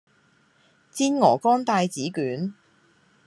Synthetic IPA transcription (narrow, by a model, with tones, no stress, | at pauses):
t͡siː˥nŋɔː˨˩kɔː˥nt̪aː˧jt͡siː˨˥kyː˨˥n